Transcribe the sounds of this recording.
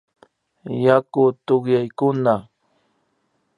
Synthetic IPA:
jakʊt̪oɢjajkʊna

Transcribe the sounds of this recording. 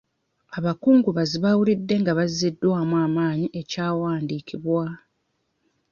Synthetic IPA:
aβakuːŋɡuβaziβawulidːe̞ŋɡaβazidːwaːmwaːmaːɲiʔe̞caːwaːndiːkiβwa

